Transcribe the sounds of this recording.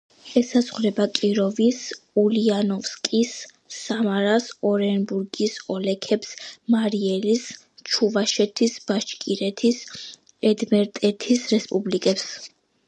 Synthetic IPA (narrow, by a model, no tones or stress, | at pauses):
ɛsazʁɾɛbakʼiɾɔvisulianɔfskʼisː | amaɾasɔɾɛnbuɾɡisɔlɛkʰɛpsmaɾiɛlis | t͡ʃʰuvaʃɛt̪ʰisbaʃkʼiɾɛt̪ʰis | ɛd̪mɛɾt̪ʼɛt̪ʰisɾɛspʼublikʼɛps